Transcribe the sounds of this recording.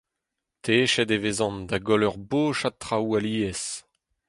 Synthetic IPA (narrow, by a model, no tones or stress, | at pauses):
tʰeːʃɛdevezɑ̃nd̪aɡɔlœʁboːʃat̪ʁawaliːɛs